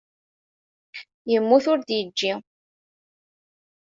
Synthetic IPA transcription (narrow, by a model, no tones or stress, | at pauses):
jəmːuθʊɾd̪jəd͡ʒːi